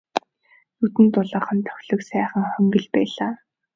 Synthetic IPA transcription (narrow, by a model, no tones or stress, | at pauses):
nut̪ɘ̆nt̪ʊɮə̆χə̆nt̪ʰœ̥xʲɮɵ̆ksæːχə̆ŋχœŋɡɘ̆ɮpæːɮaː